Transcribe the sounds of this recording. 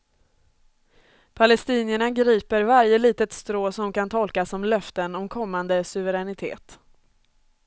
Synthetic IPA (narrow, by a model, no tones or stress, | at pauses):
pʰalɛst̪iːnəɳaɡɾiːpəɾvaɾjəliːt̪ət̪st̪ɾoːsɔmkant̪ʰɔlkasɔmlœft̪ənɔmkʰɔmːand̪əsɵvəɾɛnɪt̪ʰḛːt̪